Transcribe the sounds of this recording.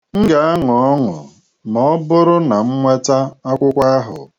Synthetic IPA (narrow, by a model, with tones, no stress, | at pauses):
ŋ̩˦ɡa˨a˦ŋʊ˨ɔ˦ŋʊ̰˨ | mɔ˨ɔ˦bʊ˦ɾʊ˦na˨m̩˦ŋʷe˦ta˦a˦kʷʊ˦kʷa˦a˦ɦʊ̰˨